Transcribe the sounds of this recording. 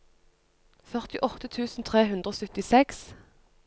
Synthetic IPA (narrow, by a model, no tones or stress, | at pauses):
fœʁt̪ɪʔɔt̪ət̪ʰʉːsn̩t̪ʰʁeːɦʉnd̪ʁoːsœt̪ɪsɛks